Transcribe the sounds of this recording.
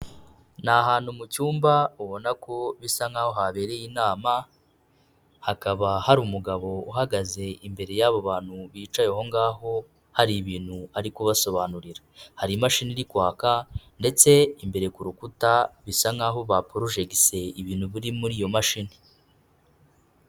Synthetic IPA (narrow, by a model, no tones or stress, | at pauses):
naɦaːn̥humucuːmbauβo̞nako̞βisaŋaːho̞ɦaβe̞ːɾe̞jinaːma | hakaβahaɾumuɡaβo̞uɦaɡaze̞ʔimbe̞ɾe̞jaβo̞βaːn̥huβiːt͡ʃajoɦo̞ŋɡaːɦo̞ | haɾiβiːn̥huaɾikuβaso̞βanuɾiɾahaɾimaʃiniɾikwaːkande̞t͡se̞imbe̞ɾe̞kuɾukutaβisaŋaɦo̞βapoɾuʒeɡise̞iβiːnhuβuɾimuɾiːjo̞maʃini